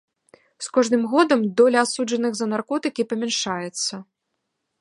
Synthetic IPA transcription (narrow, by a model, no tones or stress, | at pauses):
skɔʐnɨmɣɔd̪ɐmd̪ɔlʲɐasud͡ʐɐnɨɣzɐnarkɔt̪ɨkʲipɐmʲɛnʂajɛt̪sːɐ